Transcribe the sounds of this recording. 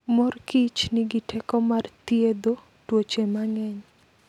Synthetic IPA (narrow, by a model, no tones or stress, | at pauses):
mɔrkit͡ʃnɪɡitʰɛkɔmart̪ied̪o | twot͡ʃemaŋɛɲ